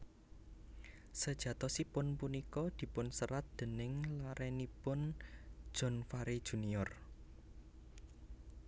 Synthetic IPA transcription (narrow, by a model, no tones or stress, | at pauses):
səd̥ʒ̥ä̤t̪ɔsipʊnpunikɔd̪̥i̤pʊnsəɾat̪̚d̪̥ə̤nɪŋlaɾɛnipʊn̥ʒ̥ɔ̤nfaɾid̥ʒ̥ṳniɔr